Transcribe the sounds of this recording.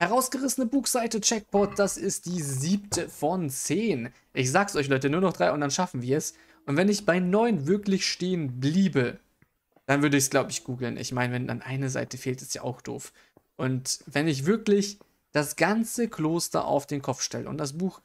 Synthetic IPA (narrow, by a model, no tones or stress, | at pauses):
hɛʁaʊsɡ̥əʁɪsn̩əbuːxz̥aɪtət͡ʃɛk̚b̥ɔt̚d̥asɪst̚d̥iːziːp̚tʰəfɔnt͡seːn | ʔɪçz̥aːɡəsʔɔʏçlɔʏtənuːɐnɔχd̥ʁaɪʊnt̚d̥anʃafn̩viːɐɛs | ʔʊntv̥ɛnɪçb̥aɪnɔʏnvɪɐklɪçʃteːənbliːbə | d̥anvʏɐɾəɪçsɡ̥laʊbəɪçɡ̥uːɡl̩nʔɪ̰çmaɪnəvɛnda̰nʔa̰ɪnəza̰ɪtəfeːltɛstja̰ːʔa̰ʊxd̥o̰ːf | ʔʊntvɛnɪç̬v̥ɪɐklɪç | d̥asɡ̥ant͡səkʰloːstɐ̰ʔa̰ʊfd̥eːnkʰɔp͡fʃtɛ̰lə̰ʊ̰nt̚d̥as̬b̥uːx